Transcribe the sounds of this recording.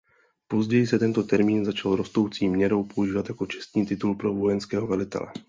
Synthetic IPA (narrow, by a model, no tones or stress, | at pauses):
po̞zɟɛjɪsɛt̪ɛnt̪o̞t̪ɛɾmiːnzat͡ʃalɾo̞st̪o̞wt͡siːmɲɛɾo̞wpouʒiːvat̪jako̞t͡ʃɛ̥st̪ɲiːt̪ɪt̪ulpɾo̞vo̞jɛnskɛːɦo̞vɛlɪt̪ɛ̰lɛ̰